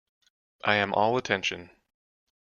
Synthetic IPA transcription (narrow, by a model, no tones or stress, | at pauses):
ʔaɪɨ̃mʔɔlˠətʰɛ̃nʃɨ̰̃n